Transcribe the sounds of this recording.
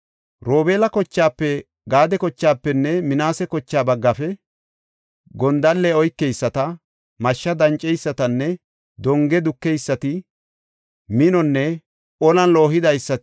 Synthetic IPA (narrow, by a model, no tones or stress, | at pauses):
ɾo̞ːbe̞ːlɐkɔt͡ʃːaːpːɛ | ɡaːd̪ɛkɔt͡ʃːaːpːɛnːɛmɪnaːsɛkɔt͡ʃːaːbɐɡːɐfɛ | ɡɔnd̪ɐlːɛɔjkːɛjsːɐt̪ɐ | mɐʃːɐd̪ɐnt͡ʃʼːɛjsːɐt̪ɐnːɛ | d̪ɔŋɡɛd̪ʊkːɛjsːɐt̪ɪ | mɪnɔnːɛ | ʔɔlɐnlo̞ːɦɪd̪ɐjsːɐ